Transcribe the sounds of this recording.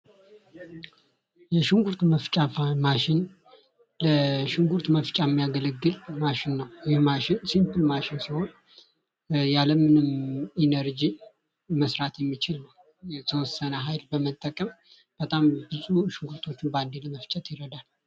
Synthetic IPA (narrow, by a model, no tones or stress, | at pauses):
jɛʃɪŋɡuɾt̪məft͡ʃʼamaʃɪn | ləʃɪŋɡuɾt̪məft͡ʃʼaɛmːijaɡələɡːɨlmaʃɪnːəwjɪhmaʃɪnsimpɨlmaʃɪnsiho̞n | jaləmɨnɨminəɾd͡ʒi | məsɾat̪jɛmːit͡ʃɪlnəw | jɛt̪ʰəwɔsːənəɦajlbəmət̪ʼːəkʼəm | b̥ət̪ʼambɨzʼuʃɪŋɡuɾt̪ʰo̞t͡ʃːɪnband̪eləməft͡ʃʼɛt̪jɪɾəd̪al